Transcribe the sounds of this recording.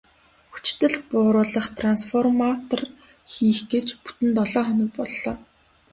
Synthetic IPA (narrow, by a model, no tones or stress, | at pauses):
xu̥t͡ɕt̪ɘ̆ɮpʊːɾʊːɮə̆χt̪ʰransfɔrmat̪ɔr | xiːxɡet͡ɕpu̥t̪ɘ̆nt̪ɔɮɔːχɔnɪ̆k̚pɔɮːɔː